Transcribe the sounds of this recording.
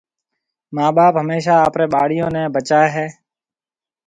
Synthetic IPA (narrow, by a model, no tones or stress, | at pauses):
maːɓaːpɦəmeːʃaːaːpɾeːɓaːɽ̤ɪjõːnẽːbət͡ʃaːeɦɛː